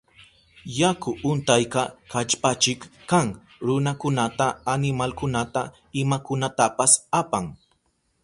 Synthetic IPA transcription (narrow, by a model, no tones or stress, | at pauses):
jakʊʔʊnt̪ajkɑkat͡ʃpat͡ʃɪkːaŋ | ɾʊnakʊnat̪aːnɪmalkʊnat̪a | ɪmakʊnat̪apasapaŋ